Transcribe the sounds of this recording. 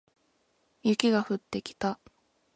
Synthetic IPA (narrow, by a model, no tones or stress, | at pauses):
jɯ̟kʲiɡaɸɯ̟t̪ːe̞kʲi̥t̪a